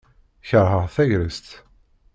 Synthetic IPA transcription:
çəɾhəʁθæʝɾəst̪

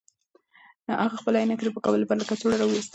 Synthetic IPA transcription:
əʔaɣaxpəlajnaked̪epəkabəlpaɾlakat͡soɽaɾawwist̪

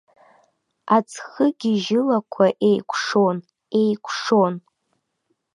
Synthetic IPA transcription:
at͡sʰχəɡʲiʒɪlakʷʰaʔe̞jkʷʰʂo̞n | e̞jkʷʰʂon

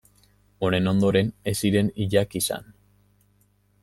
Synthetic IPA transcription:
o̞ne̞no̞nd̪o̞ɾe̞ne̞siɾe̞niʎakisa̰n

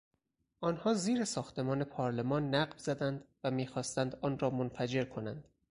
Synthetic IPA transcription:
ʔɒːnhɒːziːɾesɒːxt̪ʰe̞mɒːne̞pʰɒːɾlemɒːnːæɢvzæd̪ænd̪væmiːxɒːst̪ænd̪ɒːnɾɒːmonfæd͡ʒe̞ɾkʰo̞nænd̪̥

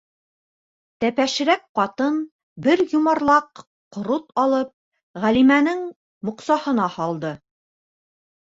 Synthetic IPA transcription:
t̪æpæʃɘ̆ɾæk̚qɑt̪ɤn | bɘɾjumɑɾlˠɑq | qŏɾut̪ɑlˠɤp̚ | ʁælimænɘŋ | mŏqsɑhɤ̆nɑhɑlˠd̪ɤ

